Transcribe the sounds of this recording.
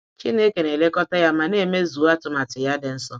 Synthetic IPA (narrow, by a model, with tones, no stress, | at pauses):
t͡ʃi˦ne˦ke˨ne˨le˦kɔ˦ta˦ja˦ma˨ne˦˨me˦zu˨˦a˦tʊ˦ma˨tɪ˨ja˦dɪ˨n̩˦sɔ˦